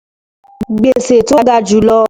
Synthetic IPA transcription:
ɡ͡be˨se˨to˦ɡa˧˨d͡ʒu˨lɔ˧˦

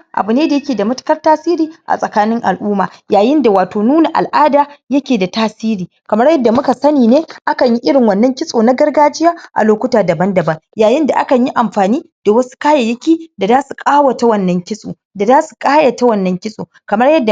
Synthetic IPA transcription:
ʔa̰˨bu˨neː˦da˨jɐ˦kʲeː˨da˨mɐ˦tʊ̥˦kɐ˦rtaː˦siː˦ɾiː˨ʔa̰˨sʼɐ˨kaː˦nɪ˦ŋʔa˨lʔuː˦maː˨jaː˨jɪ˦nda˨waː˨toː˨nuː˦na˨ʔa̰˨lʔaː˦daː˨jɐ˦kʲeː˨da˨taː˦siː˦ɾiː˨kɐ˨mɐ˦rjɐ˦dːa˨mʊ˦ka˨sɐ˦niː˨neː˦ʔa˦kɐ˨ɲji˦ʔɪ˦ɽɪ˨ŋwɐ˨nːɐ˦ŋkʲɪ˦sʼoː˨na˦ɡɐ˦rɡaː˦d͡ʒɪ˦jaː˦ʔa̰˨loː˦kʷʊ˦taː˨dɐ˨bɐ˦ndɐ˨bɐ˦ŋjaː˨jɪ˦nda˨ʔa˦kɐ˨ɲji˦ʔa˨mɸaː˨niː˦d̥a˨wɐ˦su̥˦kaː˦ja˨jɐ˦kʲiː˦da˨zaː˦su˨kʼaː˦wɐ˨ta˦wɐ˦˨nːɐ˦ŋkʲɪ˦sʼo̰ː˨ | da˨zaː˦su̥˨kʼaː˦ja˨ta˦wɐ˦nːɐ˦ŋkʲɪ˦sʼoː˨kɐ˨mɐ˦rjɐ˦dːa˨

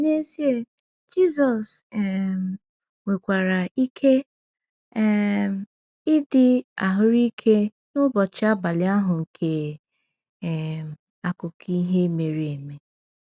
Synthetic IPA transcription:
ne˦si˦e˦ | d͡ʒi˦zɔ˨sɛ˨m | we˨kʷa˨ɾa˨i˦kʰe˦ | m̩˨˦ | ɪ˦dɪ˨a˨ɦʊ˦ɾi˦kʰe˦ | nʊ˦bɔ˨t͡ʃɪ˦a˦ba˨lɪ˨˦a˦ɦʊ˨ŋ̩˨kʰe˨ | a˨kʊ˨kʰi˦i˦ɦe˦me˨ɾi˨e˨me˨

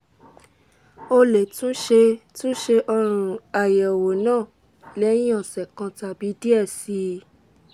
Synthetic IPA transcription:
o˧le˨tũ˦ʃe˧tũ˦ʃe˧ʔɔ˧ɾ̃uũ˨a˨jɛ˨wo˨nãː˦˨ | lɛ˦ĩ˦ɔ̃˦˨sɛ˨kã˧ta˨bi˨˦di˦ɛ˦˨si˧˦

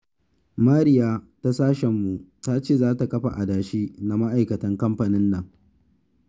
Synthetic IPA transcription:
maː˦ɾɪ˦jaː˦ta˦saː˦ʃɛ˨mːu˨taː˦t͡ʃeː˦˨zaː˦ta˨kɐ˦ɸa̰˨ʔa˨daː˨ʃiː˦na˨ma˦ʔa˨jkɐ˨tɐ˦ŋkɐ˦mɸa˨nɪ˦nːɐ˨ŋ

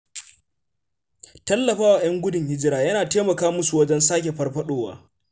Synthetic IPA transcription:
tɐ˦lːɐ˨ɸaː˦wa˨j̰ɐ˦ŋɡʷʊ˦dɪ˨ŋhɪ˦d͡ʒɪ˦ɾaː˨jɐ˦naː˨teː˦mɐ˨kaː˦mʊ˦su˨wɐ˦d͡ʒɐ˦nsaː˦kʲe˨ɸɐ˦rɸɐ˦ɗoː˦wa̰ː˨˦

